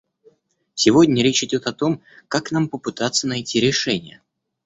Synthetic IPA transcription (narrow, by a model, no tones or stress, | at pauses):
sʲɪvo̞dʲnʲəɾʲet͡ɕɪdʲo̞t̪ɐt̪o̞m | kaknampəpɨt̪at̪sənɐjtʲiɾʲɪʂɛnʲɪjə